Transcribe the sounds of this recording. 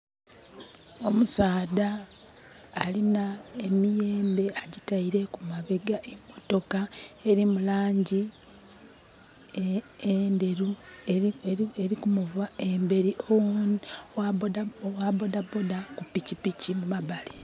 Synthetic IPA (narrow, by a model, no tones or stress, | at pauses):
o̞musaːdaː | linae̞mije̞ːmbe̞aɟitaiɾe̞kumaβeɡaʔemoto̞kaeɾimulaːɲɟi | ende̞ɾu | eeɾikumuvae̞mbe̞ɾiʔo | wabo̞dabo̞dakupicipicimumabale